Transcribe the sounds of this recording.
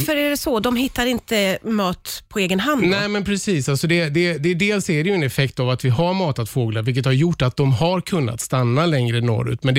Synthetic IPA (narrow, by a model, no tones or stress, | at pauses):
fœɾæɖɛsɔd̪ɔmɦɪt̪ːaɾɪnt̪əmɑːt̪pʰɔeːɡənɦandnɛːmɛnpʰɾɛsiːsalsɔd̪ɛd̪ɛd̪ɛd̪eːlsæɾɛjɵɛnɛfɛkt̪avat̪vɪɦaɾmɑːt̪at̪foːɡlaɾvɪlkət̪haɾjʊʈːat̪̚d̪ɔmɦaɾkʰɵnːa̰t̪st̪anːalɛŋɾənɔ̰ɾʉ̰ːt̪mɛnd̪